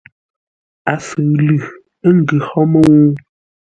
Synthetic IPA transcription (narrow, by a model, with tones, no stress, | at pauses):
a˨sɨ˨lʉ˨ | ə˦ŋ˦˨ɡʉ˨hɔ˦mə˦wu˦